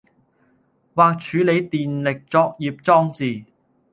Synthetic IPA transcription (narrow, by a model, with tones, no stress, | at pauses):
waː˨k̚t͡ʃʰyː˨˧le˨˧jt̪iː˨nlɪ˨k̚t͡sɔː˧k̚jiː˨p̚t͡ʃɔː˥ŋt͡siː˨˩